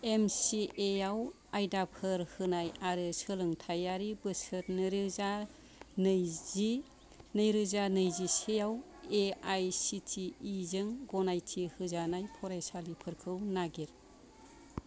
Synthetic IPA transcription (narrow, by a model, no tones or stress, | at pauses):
emsiʔeaw | ajdapʰɯɾhɯnajaɾɯsɯlɯŋtʰajaɾibɯsɯɾnɯɾɯza | nɯjzi | nɯjɾɯzanɯjzisejaw | eajsitʰiːzɯŋɡɔnajtʰihɯzanajpʰɔɾajsalipʰɯɾkʰɯwnaɡeɾ